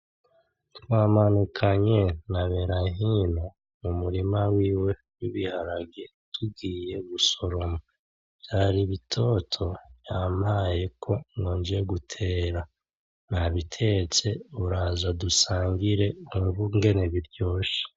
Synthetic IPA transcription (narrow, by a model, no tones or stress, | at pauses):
twaːmanukʰaɲe̞naβeɾaɦino | mumuɾimawiːwe̞ | wiβihaɾaɡe | tʰuɡiːje̞ɡuso̞ɾo̞mḁ | jaɾiβitʰo̞tʰo̞βjaːmaje̞kʰo̞ŋoːnd͡ʒijeɡutʰe̞ːɾa | naβitʰe̞t͡se̞uɾazadusaːŋɡiɾe̞umuβuŋɡe̞ne̞βiɾɟo̞ːʃe̥